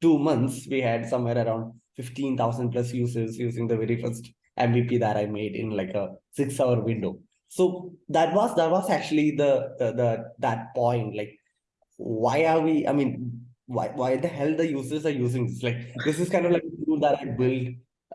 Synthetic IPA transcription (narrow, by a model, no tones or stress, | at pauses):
ʈuːmʌ̃nt̪sʋiːɦæɖsʌ̃mʋeːɾəɾãʊ̃ɳɖ̚fɪfʈĩnt̪ʰaʊzə̃ɳɖ̚plʌsjuːsəɾzjuːzɪ̃ŋd̪əʋɛɾifəɾsʈ | ʔɛ̃mʋiːpiːd̪æʈaɪmeːɖɪ̰̃nlaɪkəsɪksaʊəɾʋɪ̃ɳɖoː | soːd̪æʈʋɔːzd̪æʈʋɔzæk̚t͡ʃʉəl̩id̪əd̪əd̪æʈ̚pɔ̃ɪ̃ɳʈlaɪk̚ | ʋaɪaʋiːʔa̰ɪmĩːnʋa̰ɪʋaɪd̪əɦɛld̪əjuːsəɾzaɾjuːzɪ̃ŋd̪ɪslaɪk̚d̪ɪs̬ɪzkãɪ̃nɖɔʋlaɪk̚əɾuːld̪æʈaɪbɪlɖ